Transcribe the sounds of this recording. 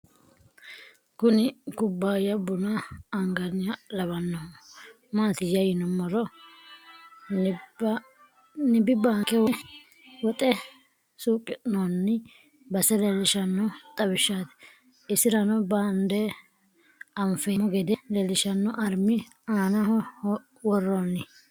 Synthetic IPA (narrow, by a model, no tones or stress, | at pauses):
kʊnɪkʊbːaːjɐbʊnɐːŋɡɐnɪlɐβɐnːɔ | maːt̪ɪjɐjɪnɔmɔɾɔ | nɪbɪbaːkɛwɛ | wɔt̪ʼɛ | suːkʼːɪnɔnːɪ | bɐsɛlɛlɪʃɐnːɔt̪ʼɐbɪʃːaːt̪ɛ̥ | ɪsɪɾɐnɔband̪ɛ | ɐmfɛmːɔɡɛd̪ɛlɛlɪʃɐnːɔʔɐɾmɪ | aːnɐhɔ | wɔrːonɪ